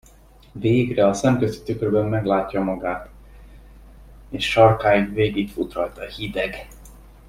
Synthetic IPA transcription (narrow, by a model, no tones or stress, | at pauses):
veːɡrɛɒsɛmkøst̪i̥t̪ykørbɛmːɛɡlaːcːɒmɒɡaːt̪ | eːʃʃɒrkaːjiŋveːɡikfut̪rɒlt̪ɒhid̪ɛɡ